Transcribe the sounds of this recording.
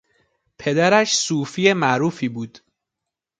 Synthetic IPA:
pʰe̞d̪æɾæʃsuːfijemæʔɾuːfiːbuːd̪̥

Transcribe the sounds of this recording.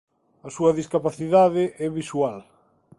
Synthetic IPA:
ɐsuɐðiskapaθiðaðɪʔɛβiswal

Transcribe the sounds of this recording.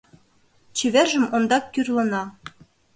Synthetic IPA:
t͡ɕeβerʒə̆mond̪ɑkːyrlɤ̆nɑ

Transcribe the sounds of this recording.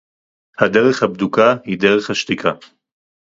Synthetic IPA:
had̪eʁɛχhab̚d̪ukʰahid̪eʁɛχhaʃt̪ikʰa

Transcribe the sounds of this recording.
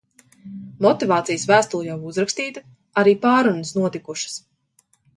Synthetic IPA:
mɔt̪ivaːt̪sijəsvæːst̪ulˠjawuzɾakst̪iːt̪ɨ | aɾiːpaːɾunəsnuɔt̪ikuʃə̥s

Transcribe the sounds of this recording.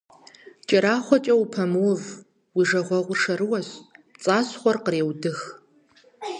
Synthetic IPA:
t͡ʃʼɐɾaːχʷɔt͡ʃʼɐwupʰɐmɔv | wiʐɐʁʷɐʁʷʊrʂɐɾɨwɐɕt͡sʼaːsχʷɔrqreːwdɨx

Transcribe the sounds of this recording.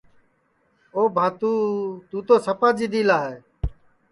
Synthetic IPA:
oːbʱãːt̪uːt̪uːt̪oːsəpaːd͡ʒiːd̪iːlaːɦeː

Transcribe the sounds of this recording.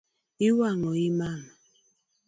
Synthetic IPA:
iwaŋɔimam

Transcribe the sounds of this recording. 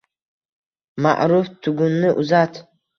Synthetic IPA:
ma̰ʔɾuft̪ʰuɡunːɨʔuzat̪ʰ

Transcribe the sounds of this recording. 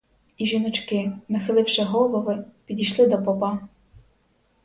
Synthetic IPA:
iʒinɔt͡ʃkɪnɐxɪlˠɪwʃɪɦɔlˠɔʋɪpʲidʲijʃlˠɪd̪ɔpɔpɑ

